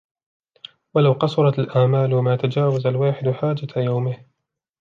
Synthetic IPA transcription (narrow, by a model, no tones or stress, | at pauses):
walawqɑsˤʊɾˤɑt̪alʔaʕmaːlamaːt̪ad͡ʒaːwazalwaːħɪd̪ʊħaːd͡ʒat̪ajawmɪh